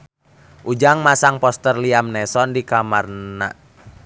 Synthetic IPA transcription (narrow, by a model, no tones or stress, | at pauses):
ʔud͡ʒaŋmasaŋpɔst̪ərliamnɛsɔndikamarna̰